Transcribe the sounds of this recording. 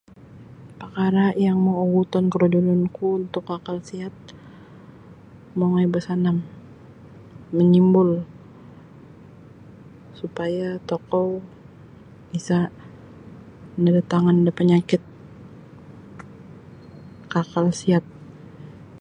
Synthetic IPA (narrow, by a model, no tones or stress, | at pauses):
pakaɾajaŋmooɡut̪ɔnkəɾod͡ʒulʊnkuunt̪ʊkːakalsiat̪̚ | moŋajbəsanam | əɲimbʊl | supajat̪ɔkɔw | isa | nadat̪aŋandəpəɲakɪt̪̚ | kakalsiat̪̚